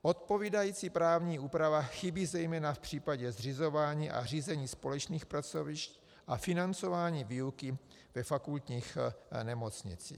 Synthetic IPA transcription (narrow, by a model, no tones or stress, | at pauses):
ʔo̞t̪̚po̞viːdajiːt͡sipɾaːvɲiːʔuːpɾavaxɪbiːzɛjmɛːnafpr̝̥iːpaɟɛzrɪzo̞vaːɲiːʔa̰riːzɛɲiːspo̞lɛt͡ʃniːxpɾat͡so̞vɪʃc | ʔafɪnant͡so̞vaːɲiːviukɪ | vɛfakult̪ɲiːxnɛmo̞t͡sɲɪ̰t͡sḭː